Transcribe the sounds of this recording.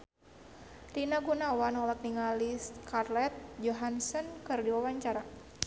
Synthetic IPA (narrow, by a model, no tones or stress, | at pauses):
linaɡunawanɔlak̚niŋaliskarlɛt̪̚d͡ʒɔɦansənkɨrdiwawaɲt͡ʃaɾa